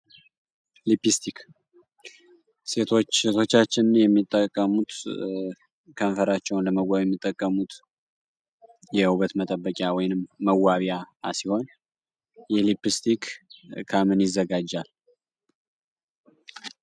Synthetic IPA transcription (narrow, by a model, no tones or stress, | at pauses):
lipist̪ʰik | se̞t̪ʰo̞t͡ʃːet̪ʰo̞t͡ʃːat͡ʃːɪnɨnjɛmːit̪ʼːəkʼːəmut̪ | kʰəɱfəɾat͡ʃːɛwnləməwʷajɛmːit̪ʼːəkʼːəmut̪ | jɛuβət̪mət̪ʼəbːəkʼjawɔjnɨmːəwaβjasiho̞n | jɛlipist̪ʰikkʰamɨnjɪzːəɡad͡ʒːal